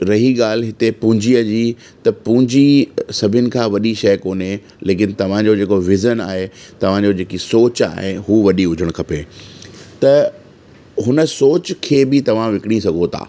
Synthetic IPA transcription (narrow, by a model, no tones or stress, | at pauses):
ɾɐɦiɠaːl̤ɦɪt̪epʊ̃ɦɪ̃ɲd͡ʑiəd͡ʑiː | t̪ɐpʊ̃ɦɪ̃ɲd͡ʑisɐbʱʊnɪ̆kʰãːʋɐɗiʃɐjkoːne | leːkɪnɪ̆t̪ɐʋ̤ãd͡ʑod͡ʑeːkoʋɪzənaːɦet̪ɐʋ̤ãd͡ʑod͡ʑeːkisoːt͡ɕa̰ːɦeɦuːʋɐɗiɦʊd͡ʑʱəɽ̃kʰɐpeː | t̪ɐ | ɦʊnə̆soːt͡ɕkʰeːbɪt̪ɐʋ̤ãʋɪkɪɽ̃isɐɡʱot̪ʰa̰ː